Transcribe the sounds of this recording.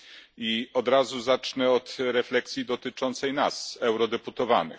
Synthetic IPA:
iɔd̪ɾazuzat͡ʂnɛɔt̪ɾɛflɛksʲjid̪ɔt̪ɘt͡ʂɔnt̪sɛjnasɛwɾɔd̪ɛput̪ɔva̰nɘ̰

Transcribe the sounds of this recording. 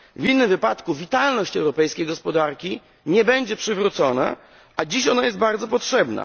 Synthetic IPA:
vʲinːɘmvɘpat̪kuvʲit̪alnɔɕt͡ɕɛwɾɔpɛjskʲejɡɔspɔd̪aɾkʲi | ɲɛbɛɲd͡ʑɛpʂɘvɾut̪sɔna̰ | ʔad͡ʑiɕɔnajɛst̪baɾd̪zɔpɔtʂɛbna̰

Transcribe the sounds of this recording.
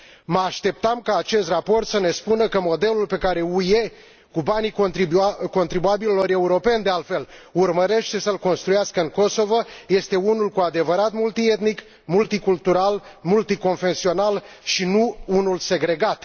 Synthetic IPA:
məaʃt̪e̞p̚t̪amkaːt͡ʃe̞st̪rapo̞rt̪səne̞spunəkəmo̞d̪e̞lulpe̞kaɾe̞uje | kubani | ko̞nt̪ɾibuabilelo̞ɾe̞uɾo̞pe̞nd̪ealfe̞lurməɾe̞ʃt̪e̞səlko̞nst̪ɾujaskəɨŋko̞so̞voje̞st̪e̞unulkuad̪e̞vəɾat̪mult̪ie̞t̪nik | mult̪ikult̪uɾalmult̪iko̞nfe̞nsio̞nal | ʃinuunulse̞ɡɾe̞ɡat̪

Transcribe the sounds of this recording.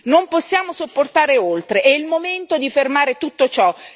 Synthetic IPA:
nomposːjaːmosopːort̪aːɾeolt̪ɾeʔɛilmoment̪od̪ifermaːɾet̪ut̪ːot͡ʃɔ

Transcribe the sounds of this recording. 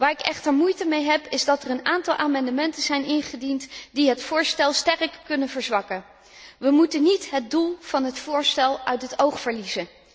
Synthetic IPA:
ʋaːɹɪkɛχtəɹmujtəmejɦɛpɪzdɑtərənaːntɑlˠʔaːmɑndəmɛntənzɛjnɪnχədintdiɦətfʊːɹstɛlˠstɛrkːɵnənvəɹzʋɑkən | ʋəmutənitɦəd̚dulˠv̥ɑnɦətfʊːɹstɛlˠœɥtɦətowχfəɹlizən

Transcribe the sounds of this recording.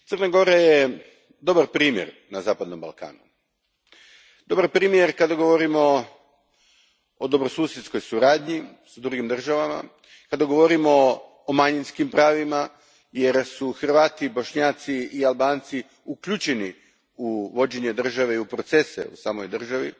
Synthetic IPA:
t̪sərnaɡo̞ɾaje | d̪o̞baɾpɾiːmjḛɾnazaːpad̪no̞mba̰lˠka̰ːnu | d̪̥o̞baɾpɾiːmje̞ɾkad̪aɡo̞ʋo̞ɾimo̞ | od̪o̞bɾosuːsjet̪sko̞jsuɾaːd̪ɲisad̪ɾuɡimd̪r̩ʒaʋama̰ | kad̪aɡo̞ʋo̞ɾimo̞ː | maɲinskimpɾaːʋima | je̞ɾsuxr̩ʋaːt̪ibo̞ʃɲaːt̪siialˠbaːnt̪si | ukʎut͡ʃeni | uʋo̞d͡ʑeɲed̪r̩ʒaʋe̞iupɾo̞t̪sesḛṵsaːmo̞̰jd̪r̩ʒaʋḭ

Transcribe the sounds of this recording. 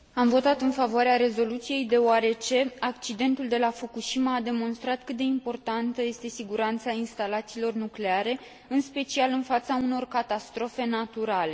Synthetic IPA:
amvo̞t̪at̪ɨnfavoaɾeaɾe̞zo̞lut̪sije̞jd̪e̞oaɾe̞t͡ʃe̞akt͡ʃid̪e̞nt̪uld̪e̞lafukuʃimaːd̪e̞mo̞nst̪ɾat̪kɨt̪̚d̪e̞impo̞rt̪ant̪əje̞st̪e̞siɡuɾant̪sainst̪alat̪siːlo̞rnukle̞aɾe̞ | ɨnspe̞t͡ʃialɨnfat̪sauno̞rkat̪ast̪ɾo̞fe̞nat̪uɾale̞

